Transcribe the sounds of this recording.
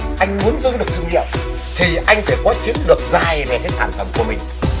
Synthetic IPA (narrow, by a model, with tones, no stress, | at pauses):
ʔa˧jŋ̟mu˨˦ənzɨ˨˧˦ɗɨ˨˩ək̚t̪ɨ˧əŋḭ˧˨əm | t̪ʰi˨˩ʔa˧jŋ̟faː˧˩kɔ˨˦t͡ɕɨ̰˨˧˥ŋɗɨ˨˩ək̚zaː˧˩jve˨˩t̪ʰə˨˦jsaː˧˩nfə˧˩mku˧˩əmï˨˩ŋ̟